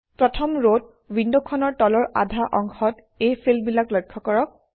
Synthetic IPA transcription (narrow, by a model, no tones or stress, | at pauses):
pɹɔtʰɔmɹot̚ | windɔkʰɔnɔɹtɔlɔɹʔa̰dʱaʔɔŋxɔt | ejpʰelbilaklɔjkʰːɔkɔɹɔk̚